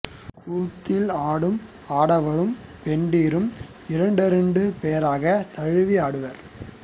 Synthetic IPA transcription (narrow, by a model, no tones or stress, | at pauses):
puːt̪ːɪlaːɽɯm | aːɽɐʋɐɾɯmpɛɳɖiːɾɯm | ɪɾɐɳɖɯɾɐɳɖɯpeːɐɾaːɣɐt̪ɐɻɯʋiaːɽɯʋɐɾ